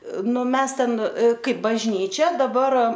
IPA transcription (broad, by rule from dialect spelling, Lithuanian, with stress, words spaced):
ˈnʊ ˈmʲɛs tʲɛn ˈkɐɪp bɐʒʲˈnʲiːt͡ʃʲɛ dɐˈbɐr